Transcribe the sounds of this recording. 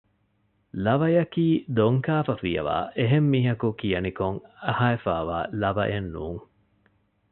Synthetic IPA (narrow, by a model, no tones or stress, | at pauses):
lɐʋɐjɐkiːd̪oŋkaːfɐfijɐ̰ʋa̰ːʔeɦemːiːɦɐkukijɐnikoŋɐhaːefa̰ːʋa̰ːlɐʋɐʔenːuːŋ